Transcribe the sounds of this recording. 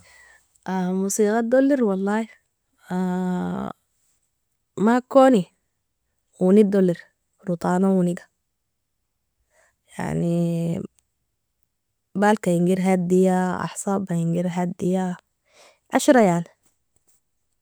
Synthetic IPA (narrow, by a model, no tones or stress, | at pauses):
ʔamusiːɣad̪olːiɾwɑlˤːɑːh | a | makoːni | wunid̪oliɾ | ɾut̪ˤɑːnawuniɡḁ | ja̰ʕni | baːlkajiŋɡiɾɦad̪d̪ijaɑ̰ħsˤɑbajiŋɡiɾɦad̪ːija | ʕaʃɾˤɑjaʕni